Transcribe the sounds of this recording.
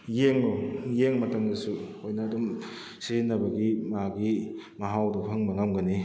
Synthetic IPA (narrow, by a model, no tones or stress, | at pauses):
jeŋojeŋmɐtaŋdɐsuhojnɐdum | sizinːɐbɐɡimaɡimɐɦawdɐpʰɐŋbɐŋamɡɐni